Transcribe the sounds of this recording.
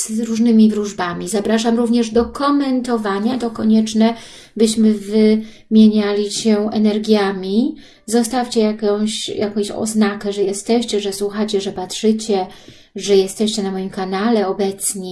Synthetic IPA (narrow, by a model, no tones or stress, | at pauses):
z̥ɾuʐnɘmʲivɾuʐbamʲizapɾaʂamɾuvɲɛʐd̪ɔkɔmɛnt̪ɔvaɲat̪ɔkɔɲɛt͡ʂnɛ | bɘɕmɘvɘ | mʲjeɲalʲiɕɛɛnɛɾɡʲjamʲi | zɔst̪afʲt͡ɕɛjakɔ̃w̃ɕjakɔ̃w̃ɕɔ̰znakɛʐɛjɛst̪ɛɕt͡ɕɛʐɛswuxat͡ɕɛʐɛpatʂɘt͡ɕɛ | ʐɛjɛst̪ɛɕt͡ɕɛnamɔjimkanalɛɔbɛt̪sɲɛ